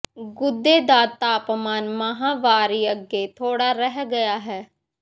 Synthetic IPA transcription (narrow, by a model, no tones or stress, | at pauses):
ɡʊd̪ːeːd̪aːt̪aːpmaːnməɦaːʋaːɾiːəɡːeːt̪ʰoːɽaːɾɛɦɡəjaːɦɛː